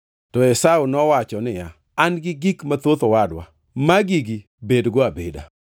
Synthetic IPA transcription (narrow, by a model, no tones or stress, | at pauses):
tɔɛsaunɔwat͡ʃɔnɪja | anɡɪɡikmat̪ot̪owadwa̰ | maɡiɡi | bedɡɔabeda̰